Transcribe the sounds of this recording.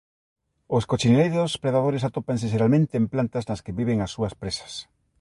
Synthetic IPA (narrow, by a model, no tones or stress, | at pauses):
ʊskot͡ʃinelejðospɾeðaðoɾɪsat̪opaŋs̬ɪʃeɾalmẽnt̪eːmplant̪ɐznɐskɪβiβeŋɐsːuɐspɾesɐ̥s